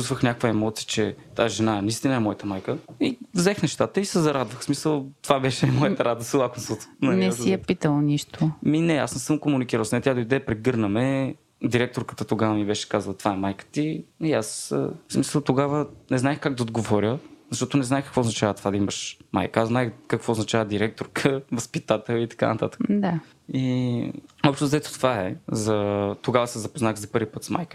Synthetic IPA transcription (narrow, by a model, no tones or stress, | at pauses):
ust̪vəxnʲakkvəɛmɔt̪sijət͡ʃɛt̪aʒɛnaɛnɐist̪inəɛmɔjət̪əmajkəivzɛxnɛʃt̪at̪əisɛzɐɾad̪vəxsmisəlˠt̪ovabɛʃɛmɔjət̪ɐɾad̪əsilˠakomsot̪nɐnɛsijɛpit̪əlˠniʃt̪ʊminɛa̰ssɤmkomunikiɾəlˠsɛt̪ʲad̪oid̪ɛpɾɛɡɤɾnəmɛ | d̪iɾɛk̚t̪oɾkə̥t̪ət̪oɡavəmibɛʃɛ̥kazəlˠɐt̪vaɛmajkə̥t̪iiasə̰smisəlˠt̪oɡavənɛznaɛxkaɡ̚d̪ɐod̪̚ɡovɔɾʲjəzɐʃt̪ɔt̪onɛznaɛxkə̥kvoːznɐt͡ʃavət̪vad̪ɐiməʃma̰jkəaznajkəkvoːznɐt͡ʃavəd̪iɾɛk̚t̪oɾkʰəvɐspit̪at̪ɛlˠit̪ɐ̥ka̰nɐt̪a̰t̪ə̥kd̪a | i | ɔpʃt̪ozɐɛt̪o̥t̪vaɛzɐt̪oɡavəsɛzɐpoznaxzɐpɤɾvʲipɤt̪sma̰jkə